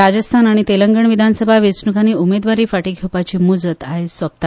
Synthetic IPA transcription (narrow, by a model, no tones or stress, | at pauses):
ad͡ʑəst̪ʰanaɽ̃it̪eləŋɡəɳʋid̪ʱansəbʱaʋesnukaneumed̪ʋaɾiːfaʈiːɡʱewpat͡ɕiːmud͡zət̪aɦesʋəb̚t̪a